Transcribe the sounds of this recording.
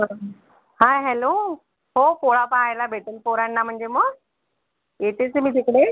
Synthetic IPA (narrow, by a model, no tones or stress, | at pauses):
haɦɛlo | ɦopoɭapaajlabʱeʈəlpoɾaɳːam̤əɳd͡zeməɡ | et̪ʰet͡semiːt̪ikɽe